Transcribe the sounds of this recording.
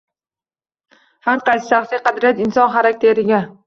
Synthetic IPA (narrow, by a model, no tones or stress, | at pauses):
haɾqɑsɪ̥ʃaχsijqɑd̪ɾɪjat̪ɪnsɒnχaɾakʲt̪ʰe̞ɾɪɡʲa